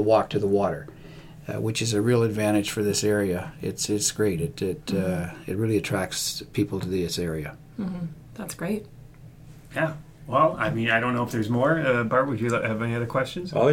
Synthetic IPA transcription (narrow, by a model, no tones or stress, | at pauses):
əwɔk̚tʰɨðəwɔɾə˞ | wɨt͡ʃɨzɨɹilˠədvæ̃ɾ̃ɨd̥ʒ̥fə˞ðɪsɛɹiɨɪ̰tsɪtsɡ̥ɹeɪɾɨɾɪɾɨ̰t̚ɹɪlˠiɨtʰɹ̥æk̚tspʰipl̩ˠtʰɨðiɪsɛɹiɨ | m̥m̩ | ðætsɡ̥ɹeɪt̚ | jæ | wɛlˠaɪmĩnaɪɾõʊ̃nːoʊəfðə˞zmɔɹʌbɑɹwɨd͡ʒɨɨvaɪɨɾɨkʰw̥ɛst͡ʃɨ̃nz̥ɛ̰